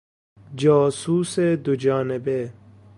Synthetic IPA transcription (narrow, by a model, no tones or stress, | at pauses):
d͡ʒɑːsuːsed̪od͡ʒɑːnebe